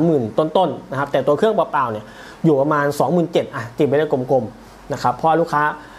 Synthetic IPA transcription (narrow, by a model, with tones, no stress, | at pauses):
mːɯː˨˩nt̪o˧˥˨nt̪o˥˩nna˦˥kʰa˦p̚t̪ɛː˨˩t̪u˧ɐkʰɯ˥˩əŋpaː˧˩paː˨˩wni˧˩ɐ | juː˨˩pa˧maː˧nsɔː˩˦ŋmɯː˨˩nt͡ɕe˨˩t̪̚ʔa˧t̪iː˨˩pa˧˦na˧˥˩kʰu˧˨m˧kʰo˧m | na˦˥kʰa˦˥pʰːɔ˧ʔa˧luː˧˥˩kʰːaː˦˥